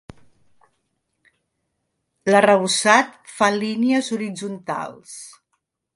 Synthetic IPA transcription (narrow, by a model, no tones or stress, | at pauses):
lərəβ̞usat̪faliniəzuɾid͡zunt̪a̰lˠs